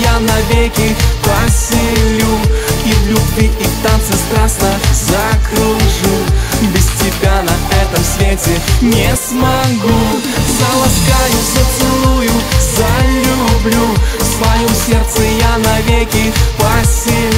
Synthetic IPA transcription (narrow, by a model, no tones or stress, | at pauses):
janɐvʲekʲɪpɐsʲɪlʲuivlʲubvʲiit̪ant̪sɨst̪ɾasnəzɐkɾuʐubʲɪstʲɪbʲanɐʔɛt̪əmsvʲetʲɪnʲɪsmɐɡu | zɐlˠɐskajʊzət̪sɨlˠujʊzɐlʲublʲufsvɐjɔmsʲert̪sɨjanɐvʲekʲɪpɐsʲɪ